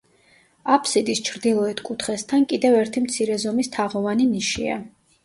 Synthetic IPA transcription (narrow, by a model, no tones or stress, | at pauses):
apʰsid̪ist͡ʃʰɾd̪ilˠɔɛt̪ʰkʼut̪ʰχɛst̪ʰankʼid̪ɛvɛɾt̪ʰimt̪sʰiɾɛzɔmist̪ʰaʁɔvaniniʃḭa̰